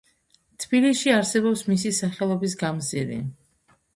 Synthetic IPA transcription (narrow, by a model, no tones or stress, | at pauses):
t̪ʰb̥ilisʃiaɾsɛbɔpsmisisaχɛlˠɔbis̬ɡamziɾḭ